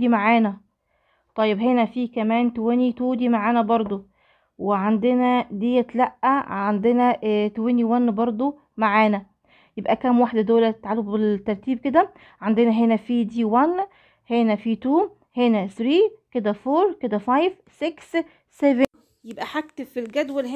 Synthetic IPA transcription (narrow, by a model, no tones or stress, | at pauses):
imaʕaːnæ | t̪ˤɑjːebɦenæfiːkæmæːnt̪owenit̪uːd̪imaʕaːnæbɑɾˤd̪ˤo | weʕand̪enæd̪iːjæt̪læʔːæʕʕand̪enæt̪oweniwænːbɑɾˤd̪ˤo | maʕaːnæ | jebʔækæmwaħd̪æd̪oːlæt̪et̪ʕalːobbet̪ːɑɾˤt̪iːb̚ked̪æ | ʕand̪enæɦenæfiːd̪iːwænː | henæfiːt̪uː | henæsɾiːked̪æfoːɾked̪æfɑjv | seks | seven | jebʔæħakt̪efilɡæd̪wælh